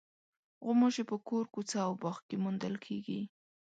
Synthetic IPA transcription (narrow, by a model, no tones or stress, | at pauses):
ɣʊmoʒepəkoɾkut͡saːwbɑxkemund̪əlkʰeɡi